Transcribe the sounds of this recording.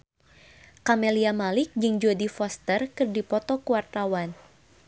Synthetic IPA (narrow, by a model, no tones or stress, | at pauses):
kamɛliamalɪk̚d͡ʒɨŋd͡ʒodifɔst̪ərkɨrdipɔt̪ɔkuwart̪awan